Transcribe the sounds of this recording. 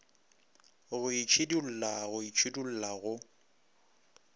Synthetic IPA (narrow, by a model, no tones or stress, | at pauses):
ɣʊit͡ʃʰɪdul̩laɣʊit͡ʃʰidul̩laɣʊ